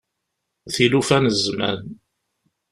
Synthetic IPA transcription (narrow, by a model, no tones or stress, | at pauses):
θilufænəzmæ̰n